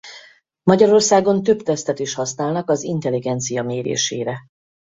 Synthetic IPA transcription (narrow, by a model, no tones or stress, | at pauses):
mɒɟɒɾo̞rsaːɡo̞nt̪øpt̪ɛst̪ɛt̪iʃhɒsnaːlnɒkɒzint̪ɛliɡɛnt̪sijɒmeːɾḛːʃḛːɾɛ